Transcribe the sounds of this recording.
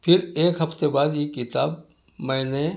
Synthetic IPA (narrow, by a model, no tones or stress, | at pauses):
pʰɪɾeːkɦɐft̪ebaːd̪jekɪt̪aːb | mɛ̃ːne